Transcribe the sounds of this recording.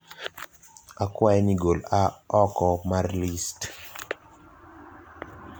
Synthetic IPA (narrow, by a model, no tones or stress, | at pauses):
akwajɛniɡolaɔkɔmarlist